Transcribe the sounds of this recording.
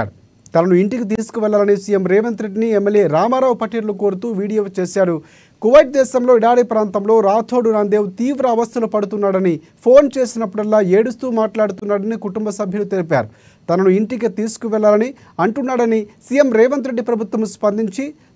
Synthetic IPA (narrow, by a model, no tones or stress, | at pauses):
ɾu | t̪ɐnɐnuiɳʈikit̪̬iːsu̥kuʋɛɭːaːlɐnisijemɾɛːʋɐnt̪ɾeɖiniemːeljeːɾaːmaːɾaːʋupɐʈiːɾluko̞ːɾut̪uːʋiːɽijoːt͡ʃeːʃaːɾu | kuʋɐjʈ̚d̪ɛːʃɐmlo̞ːiɽaːɽipɾaːnt̪ɐmlo̞ːɾaːt̪ʰoːɽunaːnd̪eːwut̪iːʋɾɐːʋɐst̪ʰɐlupɐɽut̪unːaːɽɐni | pʰo̞ːnt͡ʃe̞ːsinɐpːuɽɐlːaːeːɽust̪uːmaːʈlaːɽut̪unːaːɽɐnikuʈumbɐsɐbʱjɐlut̪elipa̰ːɾu | t̪ɐnɐnuiɳʈikit̪iːsu̥kuʋɛɭːaːlɐni | ɐɳʈunːaːɽɐnisiːjemɾɛːʋɐnt̪ɾe̞ɖːipɾɐbʱut̪ʋɐmspɐnd̪iɲt͡ʃi